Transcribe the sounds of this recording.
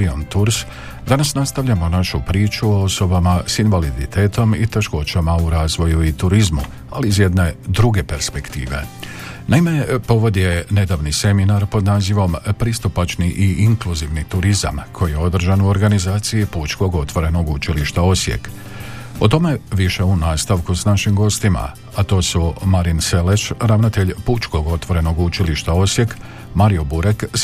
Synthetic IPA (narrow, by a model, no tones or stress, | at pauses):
iont̪uɾs | d̪anasnast̪aʋʎamo̞naʃupɾiːt͡ʃuoo̞so̞bamasinʋalid̪it̪ʰe̞ːt̪o̞mḭt̪e̞ʃko̞t͡ɕamauɾaːzʋo̞juit̪uɾizmṵ | aliːzje̞d̪ne̞d̪ɾuɡe̞pe̞ɾspe̞kt̪ḭːʋe̞̰ | naime̞po̞ʋo̞d̪je̞ne̞d̪aʋnise̞minaɾpo̞d̪naːziʋo̞mpɾist̪upat͡ʃniʔiʔiŋkluziʋnit̪uɾiza̰mkʰo̞jijeo̞d̪r̩ʒanuo̞ɾɡanizaːt̪sijiput͡ʃko̞ɡo̞t̪ʋo̞ɾe̞no̞ɡut͡ʃiliʃt̪ao̞sjḛk | o̞t̪o̞me̞ʋiʃe̞unaːst̪aʋkusnaʃimɡo̞st̪ima̰ | at̪o̞ːsumaɾinse̞le̞ʃɾaʋnat̪e̞ʎput͡ʃko̞ɡo̞t̪ʋo̞ɾe̞no̞ɡut͡ʃiliʃt̪ao̞sje̞k | maɾio̞buɾek